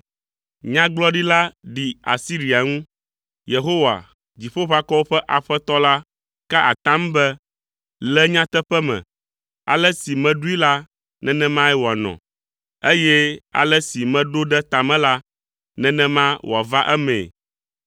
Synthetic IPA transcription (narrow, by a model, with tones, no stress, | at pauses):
ɲã˦ɡ͡blɔ˦ɖi˦la˦ɖi˨a̰˨si˦ɾi˨a˨ŋũ˦ | je˨ɦo˦wa̰˨ | d͡ʑi˨ɸo˦ɸa˦kɔ˦wo˦ɸɛ˦ʔa˨ɸɛ˦t̪ɔ˦la˦ | ka˦ʔa˨t̪ã˦mbɛ˦ | lɛ˦ɲã˦t̪ɛ˦ɸɛ˦mɛ̰̃˨ | a̰˨lɛ˦si˨mɛ̃˦ɖu˦i˦la˦ | nɛ̃˦nɛ̃˦mã˦ɛ˦wo˨a˨nɔ̰̃˨ | e˦jɛ˦a̰˨lɛ˦si˨mɛ̃˦ɖo˦ɖɛ˦t̪a˨mɛ̃˦la˦ | nɛ̃˦nɛ̃˦mã˦wʔo˨a˨va˦ʔɛ˦mɛ̰̃˨